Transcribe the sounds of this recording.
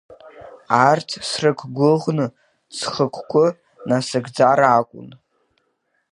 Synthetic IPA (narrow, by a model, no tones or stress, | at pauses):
artʰsrɨkʷʰɡʷʊʁnɨ | t͡sʰχəkʷʰkʷʰʼʊ | nasɨɡd͡zaɾaːkʷʼʊ̰n